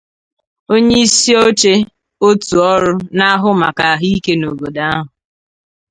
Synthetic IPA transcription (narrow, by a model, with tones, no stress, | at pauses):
o˦ɲe˦i˦si˦o˦t͡ʃe˦ | o˦tu˨ɔ˦ɾʊ˦na˦ɦʊ˦ma̰˨ka˨ɦi˦ke˦no˨ɡo˨da˦a˦ɦʊ˨